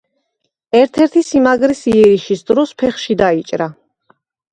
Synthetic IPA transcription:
ɛɾt̪ʰɛɾt̪ʰisimaɡɾisiɛɾiʃisd̪ɾɔspʰɛχʃid̪ait͡ʃʼɾa

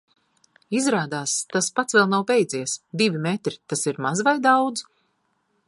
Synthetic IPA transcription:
izɾaːd̪aːst̪aspat̪svɛlˠnawbʲɛjd̪ziɛsd̪ivʲimɛt̪ɾit̪asiɾmazvajd̪awd̪z

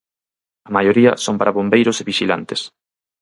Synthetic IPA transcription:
ɐmajoɾiɐ̰soŋpaɾaβombejɾʊseβiʃila̰nt̪es

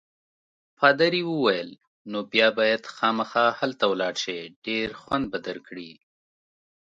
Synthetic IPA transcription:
pɑːd̪aɾiwəwajəl | nobjɑbɑjad̪xɑmaxɑhalt̪awlɑɽʃeɖeɾxwand̪̚bad̪alkɽi

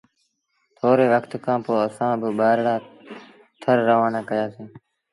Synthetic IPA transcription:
t̪ʰoːɾeːʋəkt̪kʰãːpoːəsãːbɪɓaːɾɽaː | t̪ʰəɾːəʋaːnãːkəjaːsĩː

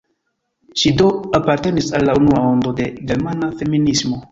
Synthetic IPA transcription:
ʃido̞apaɾte̞nisalːaunuao̞ndo̞de̞ɡe̞ɾmanafe̞minismo̞

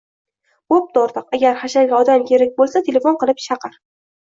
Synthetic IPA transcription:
op̚d̪ɒɾt̪ɨqaɡʲaɾχaʃaɡʲaɒd̪amkʲʰeɾɪk̚ʲbolˠsat̪ʰe̞le̞fonqɨlˠɪpʃaqʰɨɾ

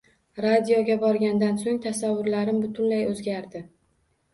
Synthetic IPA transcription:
ɾad̪ijoɡʲabɒɾɡʲand̪ansoŋt̪ʰasavːʊɾlaɾɪmbʊt̪ʰʊnlajɵzɡʲaɾd̪ɪ

